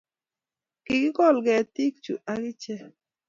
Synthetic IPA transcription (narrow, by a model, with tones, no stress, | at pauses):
ki˨ɡɪ˦kɔ˦˨lɡɛ˨ti˦k̚t͡ʃṵ˨ʔa˦ɡɪ˦t͡ʃɛ˦